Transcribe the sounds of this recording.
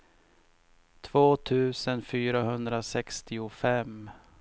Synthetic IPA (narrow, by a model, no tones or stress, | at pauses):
t̪ʰv̥oːt̪ʰʉ̟ːsənfyːɾaɦɵnd̪ɾasɛkst̪ɪʊfɛm